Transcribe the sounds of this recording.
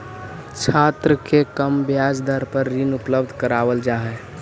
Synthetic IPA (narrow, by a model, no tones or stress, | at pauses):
t͡ʃʰat̪ɾəkekəmbjad͡ʒd̪ʱəɾpəɾːinupləbd̪ʱkəɾaʋəld͡ʒaɦɛ